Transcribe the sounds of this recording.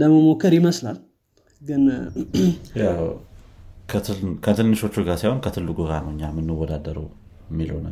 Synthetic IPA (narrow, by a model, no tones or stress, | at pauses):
ləməmo̞kːəɾjɪməsla̰l | ɡɨn | jaw | kʰəɨkʰət̪ʰɨnːɨʃo̞t͡ʃːuɡaɾsajho̞nkʰət̪ʰɨlːɨɡuɡanəwɨɲːamɨnːɨwːɔd̪ad̪əɾəw | mːilhonə̰